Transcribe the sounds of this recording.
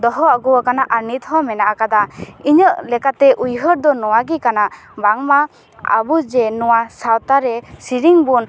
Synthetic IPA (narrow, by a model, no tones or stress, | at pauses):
d̪ɔɦɔaɡɔwɔkanaʔaɾnit̪hɔmɛnaʔakad̪aiɲəʔlɛkat̪ɛʔujɦəɾd̪ɔnɔwaɡikanaʔbaŋma | a̰bud͡ʒɛnɔwasawt̪aɾɛsiɾiŋbun